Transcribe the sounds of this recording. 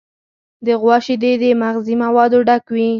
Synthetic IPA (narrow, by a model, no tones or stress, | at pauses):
d̪əɣwɑʃid̪ed̪əmaɣzimawɑd̪oɖakwi